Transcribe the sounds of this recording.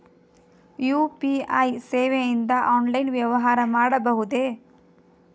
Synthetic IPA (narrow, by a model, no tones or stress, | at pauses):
juːpiɐjseːʋejind̪ɐʔaːnlɐjnʋjɐʋɐɦaːɾɐmaːɽɐbɐɦud̪e